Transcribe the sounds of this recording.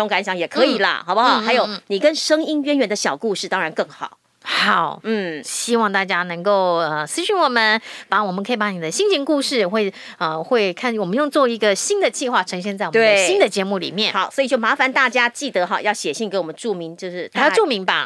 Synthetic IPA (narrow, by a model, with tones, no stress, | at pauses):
o˧˥ŋka˧˥nɕjɑ˧˦ŋjɛ˨˩kʰɤ˧˥i˨˩lə̰˦xɑ˨˩ʊbxɑ˨˩ʊxa˧˥ɪjo˨ʊni˨˩kə˦nʂɤ˥ŋi˥nɥɛ˥nɥɛ˧˥nd̪ə˧ɕjɑ˨˩ʊku˥˧ʂɻ̩˥˩t̪ɑ˥ŋɻa˧˥nkɤ˥˩ŋxɑ˨˩˦ʊ | xɑ˨˩ʊn̩˥˩ɕi˥wɑ˥˧ŋt̪a˥˩t͡ɕja˥nɤ˧˥ŋko˥˩ʊə˧˩sɹ̩˥ɕy˧nwɔ˨˩mə˦npa˧˥˦wɔ˨˩mə˨˦kʰi˨˩pɑ˧˥ŋni˨˩d̪ə˦ɕi˥ŋɕi˧˥ŋku˥˧ʂɻ̩˥˩xwe˥˩ɪ | ə˧xwe˥˧ɪkʰa˥˧nwɔ˨˩mə˦njo˥˧ŋt͡swɔ˥˩i˧˥ɡə˧ɕi˥nd̪ə˨t͡ɕi˥˧xwa˥˩ʈ͡ʂʰɤ˧˥ŋɕ̬jɛ˥˧nt͡sa˥˩wɔ˨˩e˥˩˦ɕɕi˥nd̪ə˨t͡ɕjɛ˧˥mu˥˩lḭ˨˩mjɛ˥˩nxɑ˨˩˦ʊswɔ˧˥i˨˩t͡ɕo˥˩ma˧˥fa˧˦nt̪a˥˩t͡ɕja˥t͡ɕi˥˩t̪ə˧˦xɑ˨˩˦jɑ˥˩ʊɕjɛ˨˩ɕi˥˩ŋke˧˥wɔ˨˩ə˧˦n˦˥ʈ͡ʂu˥˩mi˧˥ŋt͡ɕjo˥˧ʊʂɻ̩˥˧˥ʈ͡ʂu˥˩mi˧˥ŋba̰˥˧